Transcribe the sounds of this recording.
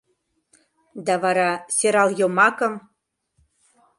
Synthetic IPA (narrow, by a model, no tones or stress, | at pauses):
d̪ɑβɑɾɑseɾɑljomɑkə̆m